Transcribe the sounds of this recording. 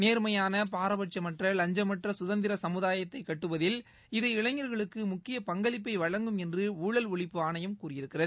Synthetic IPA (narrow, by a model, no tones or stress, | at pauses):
neːɾmɐjaːnɐpaːɾɐʋɐʈ̚t͡ʃɐmɐʈrɐlɐɲd͡ʒɐmɐʈrɐsʊðɐnd̪ɪɾɐsɐmɯðaːjɐt̪ːɐɪkːɐʈːɯʋɐðɪl | ɪðɯɪɻɐŋɐɾɣɐɭɯkːɯmʊkːɪjɐpɐŋɡɐɭɪpːɐɪʋɐɻɐŋɡɯmɛndrɯuːɭɐlʊɭɪpːɯaːnɐjɐmkuːrɪjɪɾɯkːɪrɐðɯ